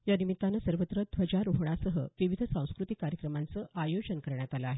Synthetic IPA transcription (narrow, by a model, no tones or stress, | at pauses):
janimit̪ːanasəɾʋət̪ɾəd̪ʱʋəd͡ʑaɾuɦɳ̃asəɦəʋiʋid̪ʱəsãw̃skɾut̪ikːaɾjəkɾəmant͡səːʔajod͡ʑənkəɾɳjat̪alaːɦe